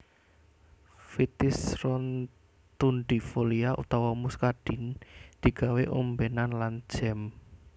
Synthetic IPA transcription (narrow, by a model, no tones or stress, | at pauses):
fit̪ɪsrɔn | t̪unɖifoliaʔṵt̪ɔwɔmuskaɖ̥ind̪̥i̤ɡ̥a̤weʔombenanlan̥d͡ʒ̥ɛm